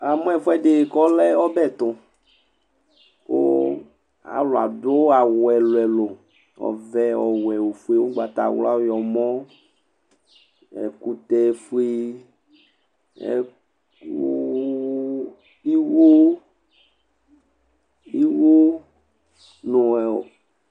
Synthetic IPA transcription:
a˨mɔ̃˦ɛ˨fwɛ˦ɖe˨kɔ˦lɛ˦ɔ˦bɛ˦˨t̪ʊ˨ | o̰˦ | a̰˨lo˨a̰˨do˦a˨wɛ˨lo˨ɛ˨lo˨ | ɔ̰˨vɛ˦ɔ˨wɛ˨wo˨fu˦e˦wo˦ɡ͡ba˨t̪a̰˨wla̰˦wjɔ˨mɔ̃˦ | ɛ̰˨ku˦t̪ɛ˨fu˦e˦ | ɛ̰˨ | ku˦ | i˦wu˦ | i˦wu˦ | nõ˨o̰˨

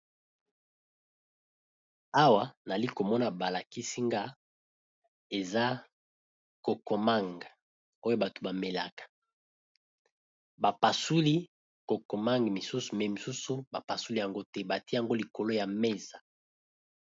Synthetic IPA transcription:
a˦wa˨na˨li˦ko˨mɔ˦na˨ba˨la˨ki˦si˦ŋɡa˦ | e˨za˦ | ko˨ko˨ma˦˨ŋɡ | o˦jo˦ba˨to̥˨ba˨me˨la̰˨kḁ˨ | ba˨pa˨su˦li˦ | ko˨ko˨ma˦ŋɡmi˨su˦su˨mɛ˨mi˨su˦su˦ba˨pa˨su˦li˦ja˨ŋɡo˦tɛ˦ba˨ti˦ja˨ŋɡo˦li˨ko˨lo˦ja˨me˦za˨

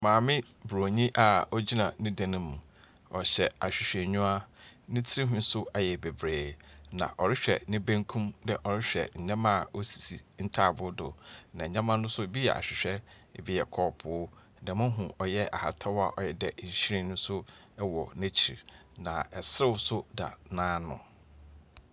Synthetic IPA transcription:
mãː˨mɪ̃˦ | bɾo˨ɲĩ˦ʔa˨ɔ˦d͡ʑi˦nã˨nĩ˦dã˨nʊ̃˦mũ˨ | ɔ˨ɕɛ˨a˨ɕᶣɪ˨ɕᶣɛ˨ɲʊ̃˦a˦nɪ̃˦tʰɪ˦ɾi˦ɦʊ̃˦n̩˦sʊ˦a˨jɛ˨be˨bɾeː˨nã̰˨ʔɔ˨ɾɪ˦ɕᶣɛ̰˨nɪ̃˦bẽ˦ŋkʰũ˦mdɛ˨ʔɔ˨ɾɪ˦ɕᶣɛ̰˨ɲ̩˨˦ɲã˦mã˦˨o˦si̥˨si˨n̩˦tʰa˦˨bʊ˦dʊ̰˨nã˨ɲ̩˨ɲã˦mã˦nʊ̃˦sʊ˦˨bi˦jɛ̰˨ʔa̰˨ɕᶣɪ˨ɕᶣɛ˦˨ | bi˦jɛ˨kʰɔ˨pʰʊ˨˦ | nã˨mʊ̃˦ɦũ˨ɔ˨jɛ˦ʔa̰˨ha˨tʰɔ˦wa˦˨ʔɔ˨jɛ˨dɛ˨ɲ̩˨ɕi˦ɾĩ˦nʊ̃˦sʊ˦ | ɛ˦wɔ˨næ̃˦t͡ɕʰi˨ɾnã˨ɛ˨sɾɪ˦wsʊ˦da̰˨nãː˦nʊ̰̃˨

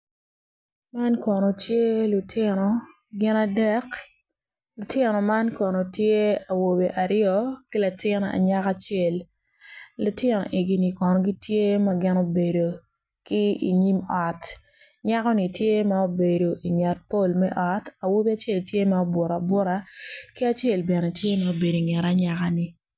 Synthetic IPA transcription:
ma˦nkɔ˨no˨tje˦lʊ˨tʰɪ˦nɔ˨ | ɡɪ˦na˦dɛ˦k | lʊ˨tʰɪ˦nɔ˨ma˦nkɔ˨no˨tje˦a˨wo˨be˨ʔa˨ɾɪjɔ˦ki˦la˨tɪ˦na̰˨ɲa˦ka˦t͡ʃe˦˨lː | ʊ˨tɪ˦nɔ̰˨ʔe˨ɡi˨ni˨kɔ˨nɔ˨ɡi˦tʰje˦mɐ˦ɡɪ˦no˦be˨do˨ | ki˦ḭ˨ɲi˦mɔ˨t | ɲa˦kɔ˦ni˨tje˦ma˦o˦be˨do˨ʔi˨ŋa˨t̚po˦lmɛ̰˦ʔɔ˨ta˨wo˦be˦a˨˦t͡ʃe˦˨ltje˦ma˦o˦bwʊ˨ɾa˨bwʊ˦ɾa˨ki˦a˨t͡ʃe˦˨lbɛ˨nɛ˨tje˦ma˦o˦be˨do˨i˨ŋɛ˨ɾa˦ɲa˦ka˦ni˨

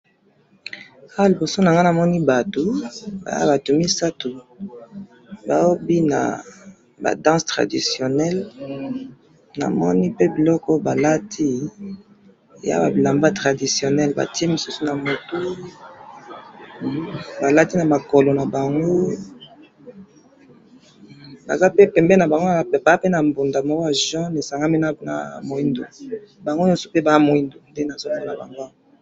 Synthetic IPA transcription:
ha˦li˨bo˨so˦na˨ŋɡa˦na˨mɔ˦ni˦ba˨to˨ba̰˨ja˦ba˨to˨mi˦sa˦tu˨ | ba˨o˦bi˦na̰˨ | ba̰˨dɑ̃˦stʁa̰˨di˨sjo˨nɛ˦l | na̰˨mɔ˦ni˦pe˦bi˨lɔ˦kɔ˦ba˨la˦tʰi˦˨ | ja̰˦ba˨bi˨la˨mba˦tʁa˨di˨sjo˨nɛ˦lba̰˨ti˦e˦mi˨su˦su˦na˨mo˨to˦˨˦ | ba˨la˦ti˦na˨ma˨ko˨lo˨na˨ba˨ŋɡo˦ | ba̰˨za˦pe˦pɛ˨mbɛ˦na˨ba˨ŋɡo˦ba˨a˦pe˦na˨mbo˨nda˨ma˨˦ɡo˦a˨ʒɔ̃˦ne˨sa˨ŋɡa˦mi˦na˦na̰˨mo˨i˦ndo̰˨ba˨ŋɡo˦jo˦so̥˦pe˦ba˨a˦mo˨i˦ndo˨nde˦na˨zo˦la˦ŋ˦na˨ba̰˨ŋɡo˦a˦˨

